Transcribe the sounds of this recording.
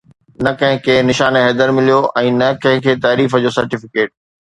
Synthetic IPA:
nɐkɐ̃ɦɪ̃kʰenɪʃaːnɦɛːd̪əɾmɪlijoʔɛ̃ːnɐkɐ̃ɦɪ̃kʰeːt̪aːɾiːfəd͡ʑoːsɐɾʈɪfɪkeːʈ̚

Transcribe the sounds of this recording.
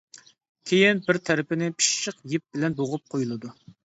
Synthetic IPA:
kʲʰejɪnbɪɾt̪ʰɛɾɪpɪnɪpʰi̥ʃʃəqjɪp̚bɪlɛnboʁʊp̚qʰojulˠɨd̪u

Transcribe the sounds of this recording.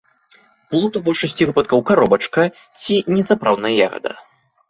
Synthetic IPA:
plˠut̪ubɔʂɐsʲt͡sʲivɨpɐt̪̚kɐwkaɾɔbɐt͡ʂkɐ | t͡sʲinʲɛsapɾawd̪nɐjaɣɐ̰d̪ɐ̰

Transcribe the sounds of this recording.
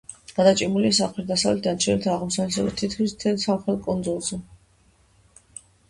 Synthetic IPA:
ɡ̥ad̪at͡ʃʼimuliasaχlɛɾd̪asavlɛt̪̚ʰd̪ant͡ʃʰɛnɛt̪ʰaːʁmsalɛsɛbat̪ʰit̪ʰkʰwist̪ʰɛlˠsamχɛlˠkʼund̪zʼulˠzɛ

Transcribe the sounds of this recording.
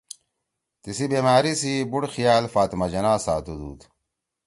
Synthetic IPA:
t̪isibeːmaːɾisibuɽxijaːlfaːt̪imɐd͡ʑɐnaːsaːt̪ud̪ṵːt̪

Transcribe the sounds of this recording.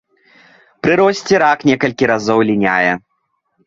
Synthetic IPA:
pɾɨɾɔsʲt͡sʲiɾaknʲɛkɐlʲkʲiɾazɔwlʲinʲajɛ

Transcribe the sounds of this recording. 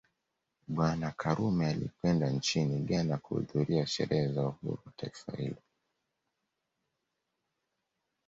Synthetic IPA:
ɓwanakʰaɾumɛalḭkwɛndant͡ʃiniɠanakuṵðuɾiaʃɛ̰ɾɛhɛzauhṵɾuwataifa̰hḭlɔ

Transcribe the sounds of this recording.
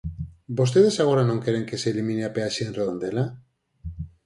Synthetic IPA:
bost̪eð̞e̞saɣ̞o̞ɾanõ̞ŋke̞ɾeŋke̞seːlimĩneapeaʃeːnreð̞o̞nd̪e̞la

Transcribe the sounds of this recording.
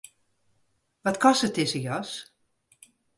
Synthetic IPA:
ʋɔtkɔsətɪsəjɔs

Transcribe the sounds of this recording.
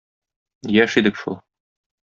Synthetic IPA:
jæʃid̪ɘkʃṵlˠ

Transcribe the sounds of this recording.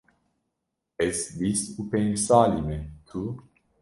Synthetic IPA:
ɛsvisupensaːlimet̪ʰu

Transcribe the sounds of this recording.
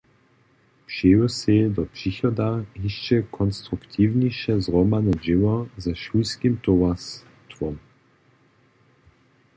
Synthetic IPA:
pʃeusedɔpʂiçɔdahiʃt͡ʃɛkʰɔnst̪ʁukt̪ʰiːvniʃɛzʁɔmanɛd͡ʒɪwazɛʃuskimt̪ovas | t̪ʁɔm

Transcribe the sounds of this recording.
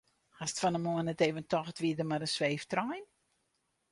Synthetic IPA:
hastfɔnəmoənɛteːvəntʰɔxtʋiədəmaɾənsʋeːftrɔjn

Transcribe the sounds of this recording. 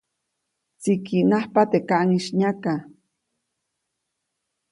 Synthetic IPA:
t͡sikinahpat̪ekaʔŋiʃɲaka

